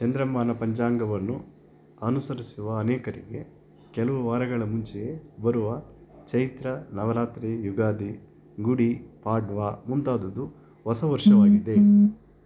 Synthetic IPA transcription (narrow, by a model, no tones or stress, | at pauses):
t͡ʃɐnd̪ɾɐmaːnɐpɐɲd͡ʒaːŋɡɐʋɐnːu | ɐnusɐɾisuʋɐːnɛːkɐɾḭɡe̞ | kɛlɐʋuʋaːɾɐɡɐɭɐmuɲt͡ʃejebɐɾuʋɐt͡ʃɐjt̪ɾɐnɐʋɐɾaːt̪ɾijuɡaːd̪i | ɡuɽipaːɖʋaːmundt̪aːd̪ɐd̪u | ʋɐsɐʋɐɾʂɐʋaːɡid̪e̞